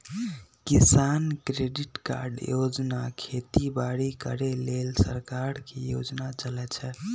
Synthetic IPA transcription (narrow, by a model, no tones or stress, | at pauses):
kisankɾeɖiʈka̰ɾɖjod͡ʒnakʰet̪ibaɽikə̰ɾelelsə̰ɾkaɾkejo̰d͡ʒnat͡ʃəlɛt͡ʃʰɛ